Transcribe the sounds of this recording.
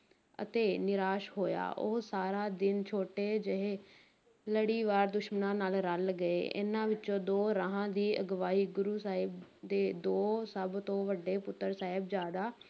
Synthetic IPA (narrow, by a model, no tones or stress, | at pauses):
ə̰t̪eːnɪɾaːʃɦoːja̰ːʔo̰ːsaːɾaːd̪ɪnt͡ʃʰoːʈeːd͡ʒɪɦeː | ləɽiːʋaːɾd̪ʊʃmənãːnaːlɾəlɡəeːʔɪ̰nãːʋɪtːt͡ʃõːd̪oːɾəɦãːd̪iːʔəɡʋaːiːɡʊɾuːsaːɦɪbd̪eːd̪oːsəbt̪õːʋəɖːeːpʊt̪ːəɾsaːɦɪbzjaːd̪aː